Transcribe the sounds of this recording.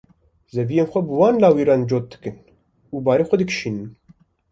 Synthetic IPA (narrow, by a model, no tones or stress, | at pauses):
zɛvijeːnxʷɛbɨwɑːnlɑːwiːɾɑːnd͡ʒoːt̪̚d̪ɨ̥kɨn | uːbɑːɾeːxʷɛd̪ɨkʃiːnɨn